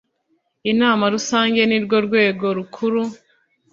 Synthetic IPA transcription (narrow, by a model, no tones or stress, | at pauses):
inaːmaɾusaːɲɟe̞niɾɡo̞ɾɡwe̞ːɡo̞ɾukʰuɾu